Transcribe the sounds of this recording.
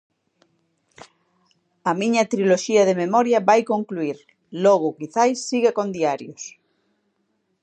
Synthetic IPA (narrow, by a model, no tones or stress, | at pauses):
ɐmiɲɐt̪ɾiloʃiaðememɔɾjaβajkoŋkluiɾ | lɔɣʊkiθajsːiɣakond̪iaɾjos